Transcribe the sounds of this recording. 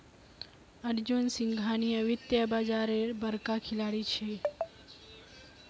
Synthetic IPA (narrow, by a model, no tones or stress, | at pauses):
əɾd͡ʒunsɪ̃ŋɡʱaniəʋit̪jəbad͡ʒaɾebəɾkakʰilaɽit͡ʃʰe